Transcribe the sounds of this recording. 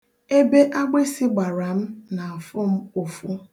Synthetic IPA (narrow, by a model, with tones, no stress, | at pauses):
e˦be˦ʔa˦ɡ͡be˦si˦ɡ͡ba˨ɾa˨m̩˦na˨fʊ˦m̩˦o˨fu˦